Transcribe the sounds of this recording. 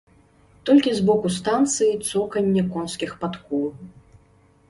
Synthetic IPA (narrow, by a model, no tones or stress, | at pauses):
t̪ɔlʲkʲizbɔkust̪ant̪sɨjit̪sɔkɐnʲːɐkɔnskʲixpat̪kɔlˠ